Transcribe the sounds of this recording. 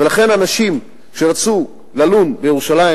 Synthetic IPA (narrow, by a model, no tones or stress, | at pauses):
velaχe̞nanaʃim | ʃeʁat͡su | lalunbejeʁuʃalai